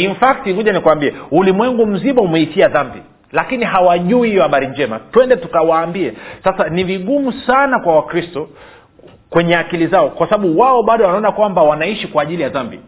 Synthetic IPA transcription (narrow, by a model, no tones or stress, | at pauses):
infak̚tiŋuʄanikuwambiɛulimwɛŋɡum̩ziɓaumɛiʃiaðambi | lakiniɦawaʄuihijɔhaɓaɾiɲd͡ʒɛmatwɛndɛtukawaːmbiɛsasaniviɠumusanakwawakɾistɔ | kwɛɲɛakilizaɔkwasaɓaɓuwaɔɓaɗɔwanaɔnakwambawanaiʃikwaːʄilijaðambi